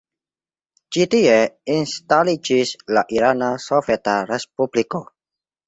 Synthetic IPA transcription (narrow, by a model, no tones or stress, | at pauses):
t͡ʃitieinstalid͡ʒislaʔiɾanasovɛtaɾespubliko